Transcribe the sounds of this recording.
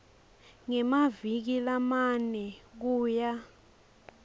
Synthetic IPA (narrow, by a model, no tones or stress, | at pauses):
ŋɛmavik̬ilamanɛk̬uːja